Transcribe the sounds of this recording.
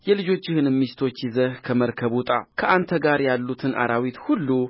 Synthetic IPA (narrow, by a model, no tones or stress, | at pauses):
jɛlɨd͡ʒo̞t͡ʃːɪhɨnɨmːist̪ʰo̞t͡ʃːjizəhkʰəməɾkʰəβut̪ʼa̰kʰəʔant̪ʰəɡaɾjalːut̪ʰɨnʔa̰ɾawit̪hulːu